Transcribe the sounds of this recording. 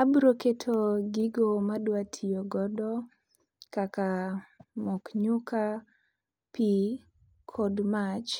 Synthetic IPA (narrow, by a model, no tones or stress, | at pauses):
abɾoketʰoɡiɡomadwatʰijɔɡɔdɔ | kaka | mɔkɲuka | pi | kʰɔdmat͡ʃ